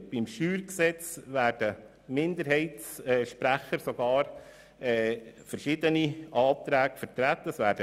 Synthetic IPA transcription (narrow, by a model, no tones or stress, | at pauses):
b̥imʃyːɾksɛt͡sʋæːɾd̥ə | mɪnd̪əɾɦɛɪtsɛʃpɾæχəɾsɔɡɑːɾ | ɛfəɾʃɪd̪əniʔɑːt̪ɾæːɡ̥əfəɾt̪ɾæt̪ːəəsʋæːɾd̥ə